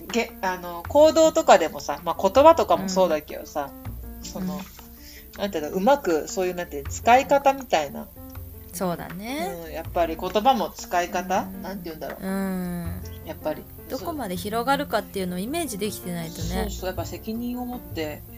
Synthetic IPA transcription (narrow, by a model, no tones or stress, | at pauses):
ɡeano̞ko̞ːd̪o̞ːt̪o̞kad̪e̞mo̞samako̞t̪o̞bat̪o̞kamo̞so̞ːd̪ake̞̰d̪o̞saso̞no̞ | nãnt̪eind̪oʔɯ̟makɯ̟so̞ːjɯnãnt̪et͡sɨ̥kaikat̪amʲit̪aina̰ | so̞ːd̪a̰ne̞ɯ̃japːaɾʲiko̞t̪o̞bamo̞t͡sɨ̥kaikat̪anãnt̪eiɯ̟̃nd̪a̰ɾoːɯ̟̃ | japːaɾʲi | d̪̥o̞ko̞mad̪e̞çiɾo̞ɡaɾɯ̟kat̪ːe̞jɯ̟no̞ime̞ːʑid̪e̞kʲi̥t̪e̞nait̪o̞neoːsoːjapːase̞kʲiɲ̟ĩɰ̃o̞mo̞t̪ːe̞